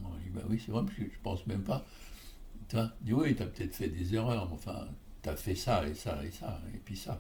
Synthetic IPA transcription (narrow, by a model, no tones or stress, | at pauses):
mɔ̃d̪iba̰wisɛvʁɛpaskəʒə̥pɑ̃smɛmpa | t̪yvad̪iwit̪yapə̥t̪ɛt̪χfɛd̪ezeʁœʁmɛɑ̃fɛ̰̃ | t̪yafɛsaḛsa̰ḛsaḛpɥisa